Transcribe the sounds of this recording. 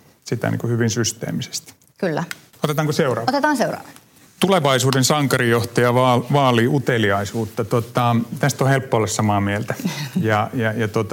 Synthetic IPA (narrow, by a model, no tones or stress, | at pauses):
sit̪æ̰nḭŋkuhyʋinsyst̪ḛːmise̥st̪ | kylːæ | ot̪et̪ɑːŋkoseurɑ̰ːot̪et̪ɑːnseurɑ̰ːʋɑ | t̪uleʋɑisuːdensɑŋkɑrijoht̪ɑjɑʋɑːlʋɑːliːut̪eliɑisuːt̪ːɑt̪ot̪ɑt̪æst̪ohelpːoolːɑssɑmɑːmielt̪æjɑjɑjɑt̪ot̪ɑ